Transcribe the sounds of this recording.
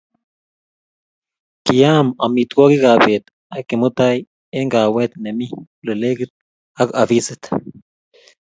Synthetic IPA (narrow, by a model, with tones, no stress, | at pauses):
ki˨ja˦ma˨mi˨t̪ko˦ki˦ka˨be˨t̪ | a˦kːi˨mu˦t̪a˦j | e˦ŋɡa˨we˦t̪ne˨mi˦ | le˨le˦ɡi˦t̪̚ | a˦ka˨fi˦sit̪